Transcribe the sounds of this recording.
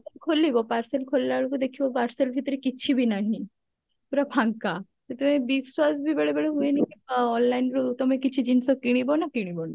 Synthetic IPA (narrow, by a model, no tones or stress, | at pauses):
t̪ekʰolːibɔpaɾselkʰolːaɭokud̪ekʰibɔpaɾselbʱit̪ɾekit͡ɕʰibʱinaɦĩ | puɾabʱaŋka | t̪et̪ɔmebiswasbʱibeɭebeɭeɦuenikiɔnlajnɾot̪ɔmekit͡ɕʰid͡ʑinsɔkiɽ̃ibɔnakiɽ̃ibɔna